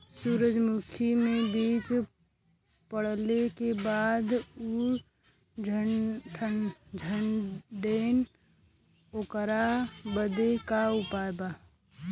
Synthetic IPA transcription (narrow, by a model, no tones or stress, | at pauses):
suɾəd͡ʒmukʰimebit͡ʃ | pəɽ̤lekebad̪u | d͡ʒʱəʈʰəd͡ʒʱənɖen | okəɾabəd̪ekaupaeba